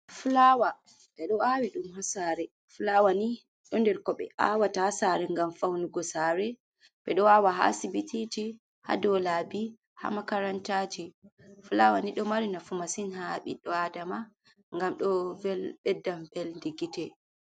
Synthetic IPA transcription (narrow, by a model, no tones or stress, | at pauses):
fulawa | ɓɛɗɔawiɗumhasaɾɛ | fulawani | ɗɔndɛɾkɔɓɛ̰a̰watahasaɾɛŋɡamfawnuɡɔsaɾɛ | ɓɛɗɔwawaɦa̰sibititi | ha̰dɔlabi | ha̰makaɾantad͡ʒi | fulawaniɗɔmaɾinafumasinhaɓḭɗɔadama | ŋɡamɗɔvɛlɓɛdːamvɛlndiɡitɛ